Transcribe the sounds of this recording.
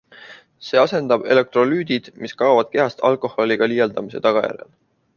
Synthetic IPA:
se̞ːɑse̞nd̪̥ɑb̥e̞̰le̞k̚t̪ro̞lyːd̪̥id̪̥miskɑːvɑd̪̥̚ke̞ɑst̪ɑlko̞hˑo̞lʲiɡ̥ɑlijɑld̪ɑmise̞̰t̪ɑɡ̥ɑjæ̰ɾḛl

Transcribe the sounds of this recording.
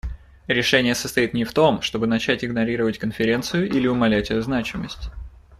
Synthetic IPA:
ɾʲɪʂɛnʲɪjəsə̥st̪ɐit̪nʲɪft̪o̞mʂt̪o̞bɨnɐt͡ɕætʲɪɡnɐɾʲiɾəvətʲkənfʲɪɾʲe̞nt̪sɨjʊʔilʲɪʊmɐlʲætʲɛjʊznat͡ɕɪmə̰sʲtʲ

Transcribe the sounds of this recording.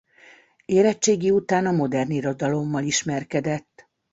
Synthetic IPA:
eːɾɛt͡ʃːeːɡiut̪aːnɒmo̞d̪ɛrniɾo̞d̪ɒlo̞mːɒliʃmɛrkɛd̪ɛt̪ː

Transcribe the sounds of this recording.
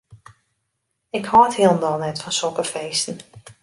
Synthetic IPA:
ɪkhɔːthiəlˠndɔlˠnɛtfɔnsɔkəfeːstn̩

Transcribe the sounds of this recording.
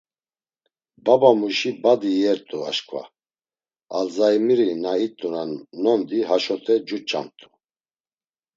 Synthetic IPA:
babamuʃibad̪ijɛɾt̪ʼua̰ʃkʼva̰ | azajimiɾinait̪ʼunanːɔnd̪iɦaʃɔt̪ʰɛd͡ʒut͡ʃʼa̰mt̪ʼu

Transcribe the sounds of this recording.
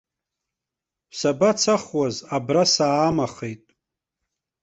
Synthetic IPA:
sabat͡sʰaχwazabrasaːmaχejtʼ

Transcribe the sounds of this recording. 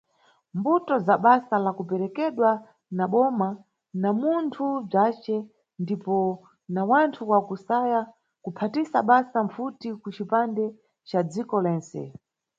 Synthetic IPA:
mbutɔzaɓasalakupɛɾɛkɛɗwa | naɓɔma | namuntʰub͡ʐat͡ʃɛ | ndipɔ | nawantʰuwakusaja | kupʰatisaɓasaɱfutikut͡ʃipandɛ | t͡ʃad͡zikɔlɛːnsɛ̰

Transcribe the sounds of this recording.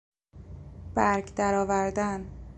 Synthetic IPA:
b̥æɾɡd̪æɾɒːvæɾd̪æn

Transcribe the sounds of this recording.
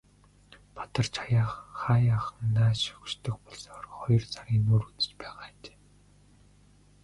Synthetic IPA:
pḁt̪ə̆rt͡ɕʰajaːχaːjaːχnːaːʃɵ̥kʃt̪ʰə̆xpɔɮsrχɔjɞ̆rt͡saɾʲiːnːuːɾut͡sɘ̥̆t͡ɕpæːʁaːt͡ɕe̥ː

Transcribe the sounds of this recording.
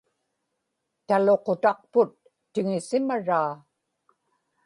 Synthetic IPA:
t̪alo̞qot̪ɑq̚pʊt̪ː | ɪŋɪsɪmaɻaː

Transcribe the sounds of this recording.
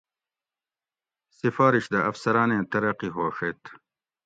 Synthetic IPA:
sifaːɾiɕd̪ɐʔɐfsɐɾaːnẽːt̪ɐɾɐqiɦoːʂet̪

